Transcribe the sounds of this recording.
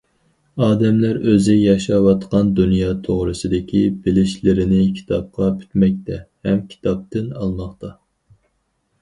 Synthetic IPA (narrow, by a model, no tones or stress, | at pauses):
ɑːd̪ɛmlæɾøzɪjɑʃɑwɑt̪qʰɑnd̪unjɑːt̪ʰoʁɾɨsɨd̪ɪkʲʰibɪlɪʃlɪɾɪnɪkʲʰi̥t̪ʰɑp̚qɑpʰy̥t̪mɛk̚ʲt̪ʰɛhɛmkʲʰi̥t̪ʰɑp̚t̪ɪnɑlˠmɑχt̪ɑ